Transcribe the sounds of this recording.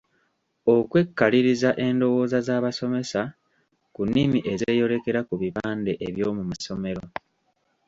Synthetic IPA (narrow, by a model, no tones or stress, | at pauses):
o̞kwe̞kːaliɾizaʔe̞ndo̞wo̞ːzazaːβaso̞me̞sa | kunːimiʔe̞zeːjo̞ɾe̞ke̞ɾakuβiβaːnde̞ʔeβjo̞ːmumaso̞me̞ɾo